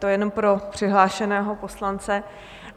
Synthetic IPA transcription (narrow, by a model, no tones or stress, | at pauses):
t̪ojɛnompɾo̞pr̝̥ɪɦlaːʃɛnɛːɦo̞po̞slant͡sɛ